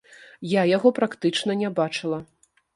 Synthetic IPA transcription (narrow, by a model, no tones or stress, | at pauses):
jajaɣɔpɾakt̪ɨt͡ʂnɐnʲɛbat͡ʂɨlˠɐ